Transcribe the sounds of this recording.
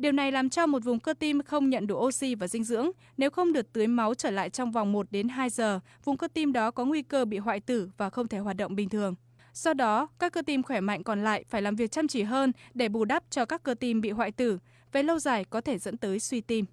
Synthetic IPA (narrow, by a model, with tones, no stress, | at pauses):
ɗi˨˩əwna˨˩jlaː˨˩mt͡ɕɔ˧mo˨˩t̚vʊ˨˩ŋ͡mkəː˧t̪i˧mxə˧wŋ͡mɲə̰˧˨nɗu˧˩ʔo˧si˧vaː˨˩zï˧ŋ̟zɨ̰˧˥əŋ | ne˨˦wxə˧wŋ͡mɗɨ˨˩ək̚t̪ɨ˨˦əjma˨˦wt͡ɕəː˧˩la̰ː˧˨jt͡ɕɔ˧wŋ͡mva˨˩wŋ͡mmo˨˩t̚ɗe˨˦nɦaː˧jzəː˨˩ | vʊ˨˩ŋ͡mkəː˧t̪i˧mɗɔ˨˦kɔ˨˦ŋwi˧kəː˧ɓḭ˧˨ɦwa̰ː˧˨jt̪ɨ˧˩vaː˨˩xə˧wŋ͡mt̪ʰe˧˩ɦwaː˨˩t̚ɗə̰˧˨wŋ͡mɓï˨˩ŋ̟t̪ʰɨ˨˩əŋ | sɔ˧ɗɔ˨˦kaː˦˥kːəː˧t̪i˧mxwɛ˧˩ma̰˧˨jŋ̟kɔ˨˩nla̰ː˧˨jfaː˧˩jlaː˨˩mvi˨˩ək̚t͡ɕa˧mt͡ɕi˧˩ɦəː˧nɗe˧˩ɓu˧˩ɗa˦˥p̚t͡ɕɔ˧kaː˦˥kːəː˧t̪i˧mɓḭ˧˨ɦwa̰ː˧˨jt̪ɨ˧˩ | ve˨˩lə˧wzaː˨˩jkɔ˨˦t̪ʰe˧˩zə̰˧˥nt̪əː˨˦jswi˧t̪i˧m